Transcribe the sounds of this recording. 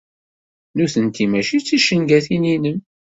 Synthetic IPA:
nuθənt̪imæʃit͡sːiʃːənɡæθininəm

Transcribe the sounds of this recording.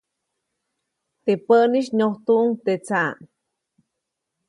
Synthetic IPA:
t̪epəʔniʃnoht̪uʔŋt̪et͡saŋ

